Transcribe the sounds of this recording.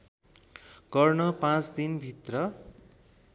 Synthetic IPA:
ɡ̥ʌrnʌpãt͡sd̪inbʱit̪rʌ

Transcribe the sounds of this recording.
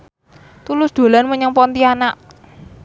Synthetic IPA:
t̪ulʊsd̪̥o̤lanməɲaŋpɔnt̪ianaʔ

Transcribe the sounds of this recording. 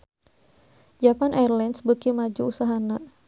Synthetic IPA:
d͡ʒapanʔarlansbəkimad͡ʒuusaɦana

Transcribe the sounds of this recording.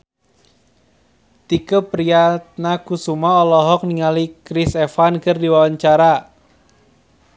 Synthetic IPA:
t̪ikəpɾiat̪̚nakusumaɔlɔɦɔk̚niŋalikɾisɛfankərdiwawaɲt͡ʃaɾa

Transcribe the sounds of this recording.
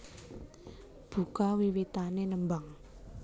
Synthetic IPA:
b̥ṳkawiwit̪anenəmbaŋ

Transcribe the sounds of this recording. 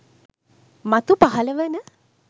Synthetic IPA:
mat̪upaɦɐləʋenə

